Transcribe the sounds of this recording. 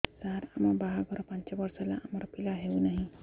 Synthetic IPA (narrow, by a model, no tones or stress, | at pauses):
saɾamabaɦaɡʱɔɾɔpaɲt͡ɕjaʋəɾsala̰ːmaɾpilaɦeunaɦi